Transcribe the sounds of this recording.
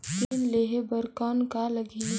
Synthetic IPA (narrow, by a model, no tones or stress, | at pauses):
inleːɦebəɾkaːnkaləɡi